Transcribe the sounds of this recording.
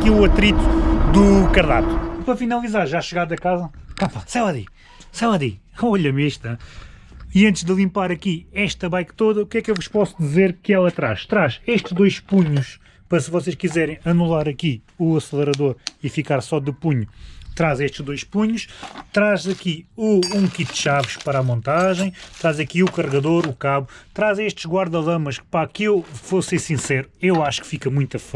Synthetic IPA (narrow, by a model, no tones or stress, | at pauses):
ɐkiuɐt̪ɾit̪u̥d̪ukɐɾða̰t̪u̥ipɐfinɐlˠizaɾʒaʃɨɣaðɐkazɐkapɐsɛlˠɐðḭ | sɛlˠɐðḭ | ɔʎɐmiʃt̪ɐ | iɐ̃nt̪ʒd̪ɨlˠĩmpaɾɐkiɛʃt̪ɐβajkt̪oðɐukɛkewvuʃpɔsud̪izeɾkɨɛlˠɐt̪ɾa̰ʃt̪ɾaʃeʃt̪ʒd̪ojʃpuɲuʃ | pɐɾɐsɨvɔseʃkizɛɾɐ̃j̃ɐnulˠaɾɐki | uɐslˠɨɾɐðoɾifikaɾsɔd̪ɨpuɲut̪ɾazeʃt̪ʒd̪ojʃpuɲuʃt̪ɾazɐkiuũkit̪̚d̪ʃavɨʃpɐɾamõnt̪aʒɐ̃j̃t̪ɾazɐkiukɐʁɣɐðoɾukaβut̪ɾazeʃt̪ʒ̥ɣwaɾðɐlˠɐmɐʃpakewfosẽsĩsɛɾuewaʃu̥kfikɐmũj̃t̪ɐf